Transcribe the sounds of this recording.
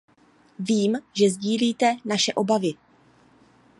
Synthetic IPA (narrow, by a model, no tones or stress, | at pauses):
viːmʒɛzɟiːliːt̪ɛnaʃɛʔo̞bavɪ